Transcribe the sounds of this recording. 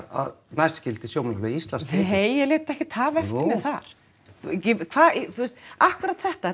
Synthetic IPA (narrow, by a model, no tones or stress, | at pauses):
a̰ðnajscɪlt̪ɪsjowmanhɔlvɪiist̪lansheːjɛleːt̪aɛhcɪt̪ʰːaːvɛft̪nɪθaɾ̥ | ɪkʰvaːðθuɛst̪ahkʏɾat̪θɛht̪a